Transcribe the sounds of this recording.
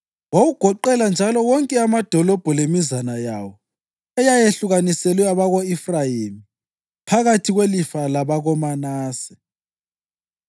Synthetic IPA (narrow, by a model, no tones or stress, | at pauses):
wawuɡ̥ʱɔǃɛland͡ʒʱalɔɣɔŋkʼɛamad̥ʱɔlɔb̥ʱɔlemizanajaːwɔ | ɛjajeɬuɣanisɛlwɛaβaɣoifrajimi | pʰaɣatʰiɣwelifalaβaɣɔmanaːsɛ̥